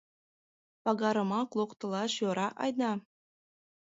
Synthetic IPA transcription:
pɑɡɑɾɤ̆mɑklˠoqt̪ɤ̆lˠɑʃjoɾɑʔɑjnɑ

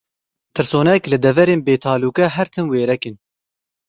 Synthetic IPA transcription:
t̪ʰɨɾsoːnɛklɨd̪ɛvɛɾeːnbeːt̪ʰɑːluːkɛɦɛɾt̪ʰɨnweːɾɛkɨn

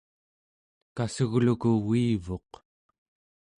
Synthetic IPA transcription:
kasuɣlukuwiːvo̞q

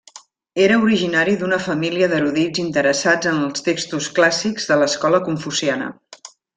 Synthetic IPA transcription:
eɾəuɾiʒinaɾiðunəfəmiliəðəɾuðid͡zint̪əɾəsad͡zənəlˠst̪ekst̪usklasiɡzðələskɔləkuɱfusianə̰

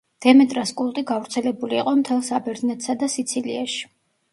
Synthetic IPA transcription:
d̪̥ɛmɛt̪ʼɾaskʼulˠt̪ʼiɡavɾt̪sʰɛlɛbuliːqʼɔmt̪ʰɛlˠsabɛɾd̪nɛt̪ʰʼsad̪asit̪sʰilḭaʃi̥

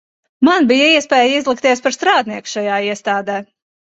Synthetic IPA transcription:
manbijaiɛspʲɛːjizlˠik̚t̪iɛspaɾst̪ɾaːd̪̚niɛku̥ʃajaːiɛst̪aːd̪ɛː

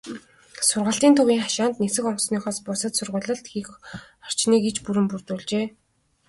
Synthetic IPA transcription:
sʊrʁə̆ɬt̪iːnt̪ʰʊwiːŋχaʃaːnt̪nesɘ̆kɔŋsniːχɔːspʊsə̆t̪sʊrʁʊɮə̆ɬt̪xix | ɔr̥t͡ɕniːket͡ɕpuɾɘ̆mpurt̪uːɮt͡ɕeː

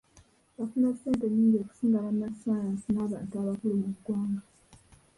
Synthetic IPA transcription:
βafunaseːnteniːŋɡeːku̥siːŋɡalamːasajansinaːβaːntuaβakulumuɡwaːŋɡa

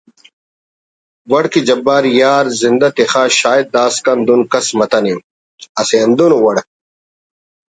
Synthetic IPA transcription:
wɐɽkid͡ʑɐbːaːɾjaːɾzind̪ɐt̪ixaːɕaːjid̪̚d̪aːskɐnd̪unkɐsmɐt̪ɐnim | ɐsend̪unowɐɽ̚

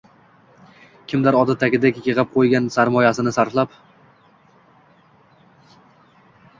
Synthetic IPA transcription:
kʲʰɪmd̪aɾɒd̪ɪt̪ʰakʲɪd̪akʲjɨʁɪp̚qʰojɡʲansaɾmɒjasɪnɪsaɾflˠap

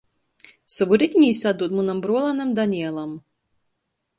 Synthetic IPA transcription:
sɔbuɾɪt̪ʲnʲisad̪uːt̪munambɾuɔlˠanamd̪anʲiɛlˠam

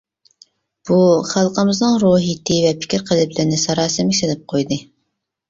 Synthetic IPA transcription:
b̥uχælˠqəmɨznɨŋɾoɦit̪ʰɪvɛpʰɪ̥kʲiɾqʰəlˠɪblɪɾnɪsɑɾɑːsɨmʲselɪp̚qʰojd̪ɨ

